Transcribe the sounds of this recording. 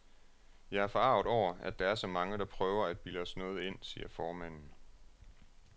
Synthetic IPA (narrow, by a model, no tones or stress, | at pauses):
jɑ̈ɪæɐfɒ̽ɑ̈ʊðˠɒʊ̰ɐæd̥ɑ̈æɐsɒ̽mɑ̈ŋəɾ̥ɑ̈pʰʁœːʊɐæd̥̚b̥iləɒsnɔ̽ːð̞̩ˠe̝n̰siːɐfɒːmæn̰n̩